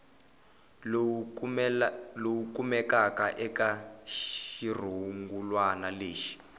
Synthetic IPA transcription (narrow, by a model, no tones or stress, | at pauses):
lowukumɛkakaʔɛkaʃir̤uuŋɡulwanaleːʃi̥